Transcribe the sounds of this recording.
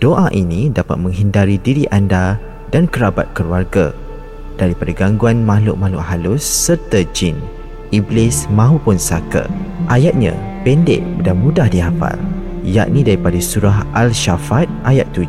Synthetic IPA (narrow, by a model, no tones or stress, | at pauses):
d̥oʔaʔinĩdapa̰t̪̚mə̃ŋɦindaɾidiɾiʔanda | dankəɾaba̰t̪̚kəluarɡa̰ | d̥aɾipadaɡaŋɡuanmaɦlʊʔ̚mahlʊʔɦalʊsːərt̪ad͡ʒin | iblɪsmãɦupʊnsakə̰ʔajat̪̚ɲã̰ | pɛndɛ̰ʔ̚danmũdahdiɦapa̰l | ja̰ʔnĩdaɾipadasuɾaɦʔalʃafat̪̚ʔajat̪̚ːud͡ʒ